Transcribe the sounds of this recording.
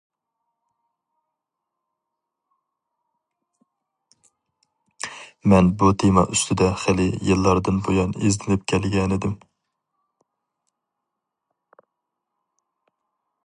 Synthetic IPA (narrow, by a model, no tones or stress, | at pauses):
mɛnbut̪ʰemɑ̰ʔyst̪ʰɪd̪ɛχælɪjilˠːɑɾd̪ɨnbojɑneznɪlɪp̚kʲʰɛlɡʲɛnɪd̪ɪm